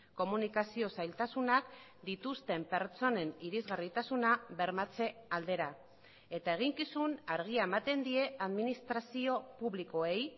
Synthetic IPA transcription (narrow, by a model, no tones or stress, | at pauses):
ko̞munikasio̞sajlt̪asunak | d̪it̪ust̪e̞mpe̞ɾt͡so̞ne̞niɾizɣarit̪asunaβe̞ɾmat͡se̞ald̪e̞ɾa | e̞t̪ae̞ɣ̞iŋkisunaɾɣ̞iae̞mat̪e̞nd̪ie̞aðminist̪ɾasio̞puβliko̞e̞j